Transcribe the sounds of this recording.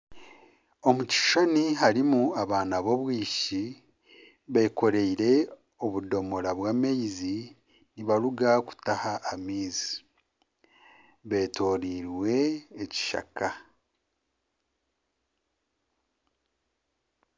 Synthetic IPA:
o̞muci̥ʃaniɦaɾimuaβaːnaβo̞βwiːʃi | βeko̞ɾeiɾe̞ | o̞βudo̞mo̞ɾaβwaːmejizi | niβaɾuɡaku̥tahaʔːmiːzi̥ | βe̞ːtoːɾiɾwe̞ːci̥ʃa̰ka

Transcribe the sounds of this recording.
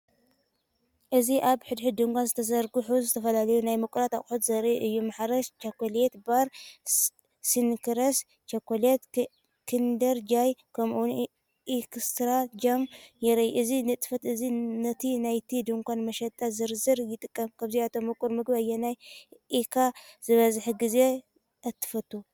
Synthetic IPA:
ʔɨziʔaβħɨd̪ħɨd̪ɨŋkʷanzɨt̪ʰɐzɐɾɡɨħuzɨt̪ʰɐfɐlalɐjunajmɨkʷʼuɾat̪aχʼħut̪zɐɾiʔɨjːumaħɾɐʃt͡ʃɐkːolet̪baɾ | sinkʰɨɾɐs | t͡ʃɐkːolet̪ | kʰɨnd̪ɐɾd͡ʒajkʰɐmun | ʔikʰɨst̪ɾad͡ʒɐmjɛɾɐjʔɨzinɨt̪ʼfɐt̪ɨzinɐt̪ʰinajt̪ʰid̪ɨŋkʰʷanmɐʃɐt̪ʼazɨɾzɨɾjɪt̪ʼɨkʼːɐmkʰaβziat̪ʰomɨkʼuɾmɨɡbajːɛnajʔikʰaz̥ɨβɐzħiɡize̞ | ʔɐt̪ʰːɨ̥fɐt̪ːu

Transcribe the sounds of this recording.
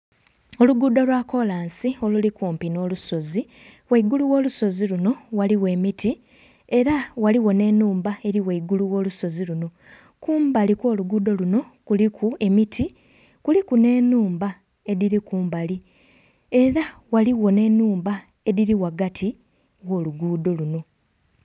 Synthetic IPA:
o̞luɡuːdo̞lwaːko̞laːnsio̞lulikuːmpino̞luso̞zi | weiɡuluwo̞ːluso̞ziluno̞waliwe̞ːmiti | e̞ɾawaliwo̞ne̞nuːmbae̞ɾiweiɡuluwo̞ːluso̞ziluno̞ | kuːmbalikwo̞ːluɡuːdo̞luno̞kulikʰue̞mitʰi | kulikune̞nuːmba | e̞ðiɾikuːmbali | e̞ɾawaliwo̞ne̞nːuːmba | e̞ðiɾiwaɡatʰi | wo̞ːluɡuːdo̞luno̞

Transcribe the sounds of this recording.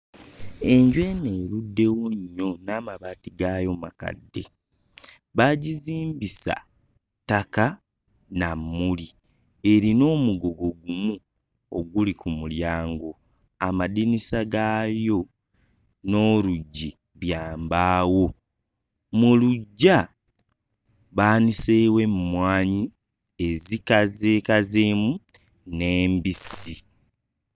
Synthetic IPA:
e̞ɲɟwe̞neːludːe̞woɲːo̞naːmaβaːtiɡajo̞ma̰ka̰dːe̞ | βaɟiziːmbisa̰ | taka | namːulie̞ɾino̞ːmuɡo̞ɡo̞ɡumu | oɡulikumuljaːŋɡo̞ | amadinisaɡajo̞ | no̞ːɾuɟːi | βjaːmbaːwo̞ | muluɟːa | βaːnisewe̞mːwaːɲi | e̞zikazeːkazeːmu | ne̞ːmbisi

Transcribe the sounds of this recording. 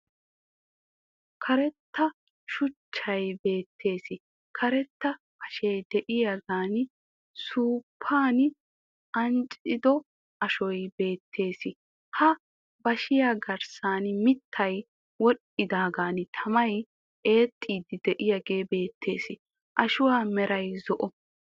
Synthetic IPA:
kʰɐɾɛt̪ːɐ | ʃʊt͡ʃːɐjbe̞ːt̪ʰːe̞ːsɪ | kʰɐɾɛt̪ːɐ | ɐʃejd̪ɛʔɪjɐɡaːnɪ | suːpʰːaːnɪ | ʔɐnt͡ʃʼɪd̪ɔ | ʔɐʃɔjbe̞ːt̪ʰːe̞ːsɪ | hɐ | bɐʃɪjaɡɐɾsaːnmɪt̪ʰːɐj | wɔɗ | ɪd̪aːɡaːnɪt̪ʰɐmɐj | ʔe̞ːt̪ʼːiːd̪ɪd̪ɛʔɪjɐɡe̞ːbe̞ːt̪ʰːe̞ːsɪ | ʔɐʃʊwaːmɛɾɐjzɔʔɔ

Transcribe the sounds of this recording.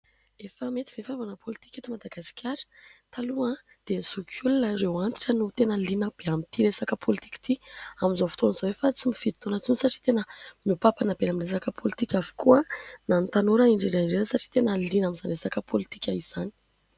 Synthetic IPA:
efəmet̪ivefanuvanəpʰolit̪i̥kʲet̪imad̪aɡasi̥kʲʰaɾə̥t̪aluə | d̪̥enisukʰulunəɾewant̪i̥ʈ͡ʂənut̪enəlinəb̥eamit̪ilesakəpʰolit̪i̥ki̥t̪iamizofi̥t̪onz̥oefat͡simifid̪it̪onət͡sinisaʈ͡ʂi̥t̪enəmupapanabelaminlesakəpʰolit̪ikʲavu̥kuənant̪anoɾəiɳɖ͡ʐeɳɖ͡ʐaiɳɖ͡ʐenəsaʈ͡ʂi̥t̪enəlinamizanlesakəpʰolit̪i̥kʲaiz̥ani̥

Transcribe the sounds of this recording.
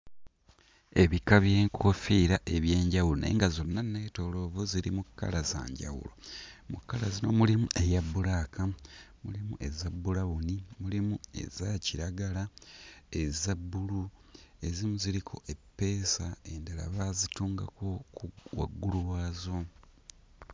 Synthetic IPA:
e̞βikaβje̞ːŋkʰofiːɾaʔe̞βje̞ːɲɟawulone̞̰ːŋɡazo̞nːane̞ːto̞lo̞vuziɾimukːa̰laza̰ːɲɟa̰wṵlo̰mukːalaznomulimuʔe̞jabːulaːkʰamulimuʔe̞zabːulawunimulimue̞̰zaciɾaɡala | ezabːulue̞zimuziɾikʰo̞ʔe̞pːe̞ːsae̞ndala̰βazituːŋɡako̞kuwa̰ɡːuluwaːzo

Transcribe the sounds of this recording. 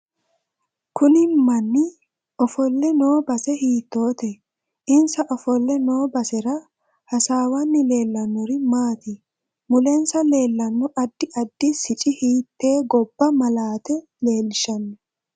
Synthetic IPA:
kʊnɪmɐnːɪ | ʔɔfɔlːɛno̞ːbɐsɛhiːt̪ːo̞ːt̪ɛ | ʔɪnsɐʔɔfɔlːɛnoːbɐsɛɾɐ | hɐsaːwɐnːɪle̞ːlːɐnːʊɾɪmaːt̪ɪ | mʊlɛnsɐle̞ːlːɐnːʊʔɐd̪ːɪʔɐd̪ːɪsɪt͡ʃʼɪhiːt̪ːe̞ːɡɔb̥ːɐmɐlaːt̪ɛ | le̞ːlɪʃɐnːɛ

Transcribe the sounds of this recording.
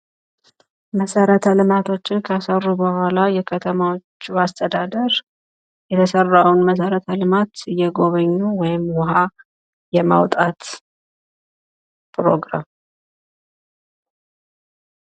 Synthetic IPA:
məsəɾət̪ʰəlɨmat̪ʰo̞t͡ʃːɪnkʰəasərːubəhʷalajɛkʰət̪ʰəmawo̞t͡ʃːuast̪ʰəd̪ad̪əɾ | jɛt̪ʰəsərːawnməs̬əɾət̪ʰəlɨmat̪jɛɡo̞βəɲːuwɔjɪmwɔɦa | jɛma̰wt̪ʼat̪ | pɾo̞ɡɾa̰m

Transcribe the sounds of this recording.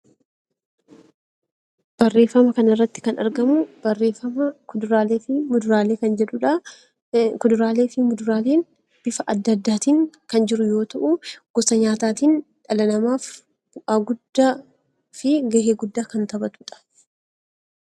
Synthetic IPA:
b̥ɐrːe̞ːfːɐmɐkɐnɪrːɐt̪ːɪ̥kɐnɐ̰ɾɡɐmʊb̥ɐrːeːfɐmɐkʊd̪ɾaːleːfɪmʊd̪ʊɾaːle̞ːkɐnd͡ʒɛᶑʊᶑɐ | kʊd̪ʊɾaːle̞ːfɪmʊd̪ʊɾaːle̞ːn | b̥ɪfɐʔɐd̪ːɐd̪ːaːt̪iːŋkɐnd͡ʒɪɾʊjo̞ːt̪ɐʔuɡ̥ɔsɐɲaːt̪aːt̪iːnᶑɐlɐnɐmaːf | b̥ʊʔaːɡʊd̪ːaː | fɪɡɐheːɡʊd̪ːaːkɐnt̪ɐbɐt̪uːᶑɐ̥

